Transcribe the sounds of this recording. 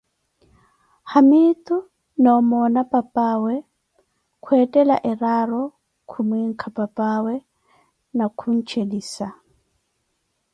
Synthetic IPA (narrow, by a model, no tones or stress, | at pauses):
hamit̪ʼu | naɔmɔnapʼapʼaːwɛ | kʰwɛtʼɛla̰ʔɛɾaɾɔ | kʰumwiŋ̩kʰapʼapʼawɛ | nakʰun̩t͡ʃʰediːsa